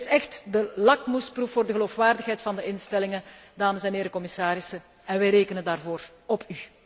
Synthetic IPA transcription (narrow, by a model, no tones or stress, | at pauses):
sɛxtdəlɑkmusprufoːrdəɣəloːfʋaːrdəxɦɛjtfɑndəʔɪnstɛlɪŋədaːməsɛnɦeːɾəkɔmɪsaːɾɪsə | ɛnʋɛjɾeːkənəndaːrvoːr | ɔpʰy